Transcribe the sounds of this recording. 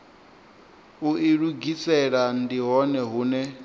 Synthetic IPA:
uʔiɺuɡisɛɺan̩diɦɔnɛɦuːnɛ

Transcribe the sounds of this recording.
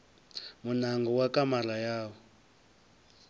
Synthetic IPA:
munaŋɡɔwakamalajaːwɔ

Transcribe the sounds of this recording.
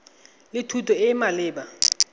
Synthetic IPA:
lɪtʰutʰɔɪmalɪːba

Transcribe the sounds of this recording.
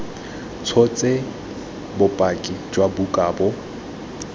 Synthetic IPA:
t͡sʰɔt͡sʼe | bʊpʼakʼid͡ʒwabukʼaːbɔ

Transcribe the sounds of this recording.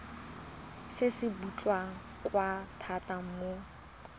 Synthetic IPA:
sɪsɪbut͡ɬʼwa | kʼwatʰatam̩mo

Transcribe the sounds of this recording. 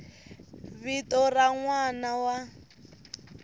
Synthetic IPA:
βitɔraŋwanawa

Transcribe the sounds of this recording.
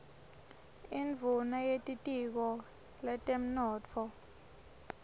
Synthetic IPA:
iɱvʱunajetʼitʼik̬ɔ | lɛtʼem̩nɔːt͡fʰɔ

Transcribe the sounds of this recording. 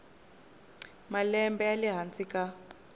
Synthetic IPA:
malɛmbɛaliɦant͡sʼikʼa

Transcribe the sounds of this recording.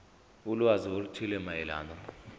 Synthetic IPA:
uluaziolt͡ʃʰilɛmaɛla̰ːnd̪ɔ

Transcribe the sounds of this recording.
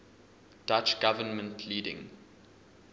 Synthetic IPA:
d̥at͡ʃɡ̥avənmə̃ntʰliːdɪ̰̃ŋ

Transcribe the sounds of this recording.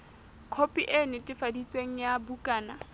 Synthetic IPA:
kʰopʼiʔenɪtʼɪfadit͡sʼweŋ̩jabukʼaːna

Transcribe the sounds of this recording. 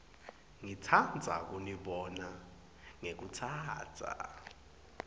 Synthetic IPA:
ŋitʰand͡zʱa̰k̬ʼuniɓɔna | ŋek̬utʰaːtʰa̰

